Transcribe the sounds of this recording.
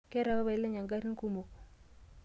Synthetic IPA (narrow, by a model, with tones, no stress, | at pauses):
ke˦ɾa˨ba˦ba˨i˦lːe˦ɲa˨ŋɡa˦ɾi˦ŋ˦ku˦mo˨